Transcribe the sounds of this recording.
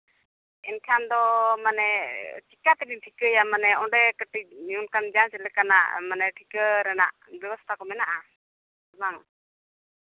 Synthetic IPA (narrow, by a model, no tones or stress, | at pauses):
ɛnkʰand̪ɔmanɛʈikat̪ɛbinʈʰikəjamanɛɔɖɛkəʈiunkand͡ʒansɛlɛkana̰ʔmanɛʈʰikəɾɛna̰ʔ | bjɛwɔst̪ʰakɔmɛnaʔa | ɔbaŋ